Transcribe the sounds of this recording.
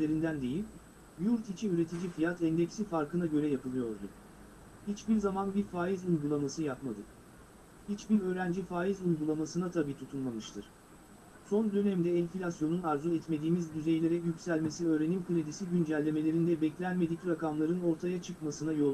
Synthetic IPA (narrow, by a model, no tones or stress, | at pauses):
lʲeɾind̪ænd̪e̞jilʲ | juɾt̪it͡ʃʰiyɾe̞t̪ʰid͡ʒifijat̪ʰɛnd̪ɛcsifaɾkɯnaɟø̞ɾɛjapʰɯlˠɯjo̞ɾd̪ʊ | hit͡ʃbiɾzamanbiɾfaːjizujɡulˠamasɯjapmad̪ɯ | hit͡ʃbiɾø̞ːɾænd͡ʒifaːjizujɡulˠamasɯnat̪ʰabiːt̪ʰut̪ʰunmamɯʃt̪ʰɯɾ̥ | so̞nd̪ø̞nɛmd̪ɛːnʲfilʲasjo̞nunaɾzuɛt̪me̞d̪iːmizd̪yzejlʲe̞ɾɛjycʲsælʲme̞siø̞ːɾe̞nimkʰɯlʲed̪isiɟynd͡ʒælʲːe̞me̞lʲe̞ɾind̪ɛbɛclʲænme̞d̪icʲɾakamlˠaɾɯno̞ɾt̪ʰajat͡ʃʰɯkmasɯnajo̞